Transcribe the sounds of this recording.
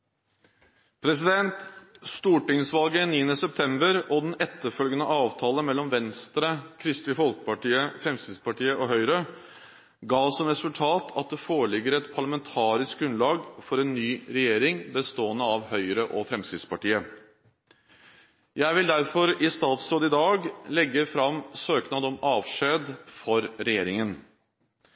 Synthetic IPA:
pʰɾɛsɪd̪ɛnt̪st̪uːʈɪŋsʋɑlɡəniːənəsɛp̚t̪ʰɛmbəɾɔd̪ɛnɛt̪ːəɾfœlɡənəʔɑːʋt̪ʰɑːləmɛlːɔmʋɛnst̪ɾəkʰɾɪst̪ɪfɔlkə̥pɑʈiːəfɾɛmskɾɪt̪spɑʈiːəʔɔɦœʏɾə | ɡɑːsɔmɾɛsʉlt̪ʰɑːt̪ʰɑt̪̚d̪ɛfoːɭɪɡəɾəɛt̪pʰɑɭɑmɛnt̪ʰɑːɾɪsk̚ɡɾʉnlɑːɡfɔɾɛnːyːɾɛjeːɾɪŋbəst̪oːənəɑʋhœʏɾəʔɔfɾɛmskɾɪt̪spɑʈiːə | jæɪʋɪld̪æɾfɔɾɪst̪ɑːt̪sɾoːd̪ɪd̪ɑːɡlɛɡːəfɾɑmsøːknɑd̪ɔmɑːʋʂeːd̪fɔɾɾɛjeːɾɪŋən

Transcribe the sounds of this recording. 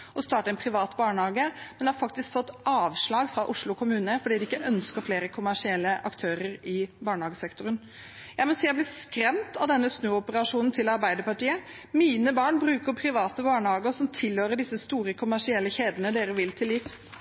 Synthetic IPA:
ʔɔst̪ɑːʈəɛnpʰɾɪʋɑːt̪bɑːɳhɑːɡəmɛnɪhɑɾfɑk̚t̪ɪskfɔt̪ːʔɑːʋʂɭɑːɡfɾɑʔʊʂlʊɔkʰʊmʉːnəfɔɖiːd̪ɪɪkːəʔœnskəɾfleːɾəkʰʊmæʂɪɛlːəʔɑ̰kt̪ʰøːɾəɾɪbɑːɳəhɑːɡəsɛkt̪ʊɾən | jæɪmɔsiːɑblɪːskɾɛmt̪ʰɑʋd̪ɛnːəsnøːɔpəɾɑʂuːnn̩t̪ʰɪlɑɾbæɪd̪əpɑʈiːəmiːnəbɑːɳbɾʉːkəɾpʰɾɪʋɑːt̪əbɑːɳhɑːɡəɔsɔmt̪ʰɪlhøːɾəɖɪsːəst̪uːɾəkʰʊmæʂɪɛlːəçeːd̪ənəd̪eːɾəʋɪlt̪ʰɪlɪfs

